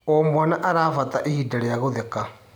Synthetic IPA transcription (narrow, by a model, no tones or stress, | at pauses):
ɔmwanaʔaɾaːfataʔehidaɾejaɣoðɛka